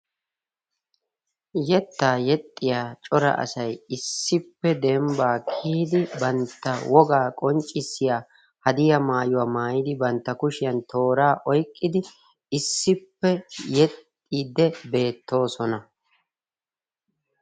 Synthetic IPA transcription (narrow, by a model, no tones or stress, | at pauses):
jɛt̪ːaːjɛt̪ʼːɪjaːt͡ʃʼɔɾɐ̰ʔɐ̰sɐjɪsːɪpːɛd̪ɛmbaːkʰiːd̪ɪbɐnt̪ːɐwɔɡaːkʼɔnt͡ʃʼːɪsːɪjaː | hɐd̪ɪjɐmaːjʊwaːmaːjɪd̪ɪbɐnt̪ːɐkʊʃɪjɐnt̪ʰo̞ːɾaːʔɔjkʼːɪd̪ɪ | ɪsːɪpːɛjɛt̪ʼːiːd̪ɛbe̞ːt̪ːo̞ːsɔnɐ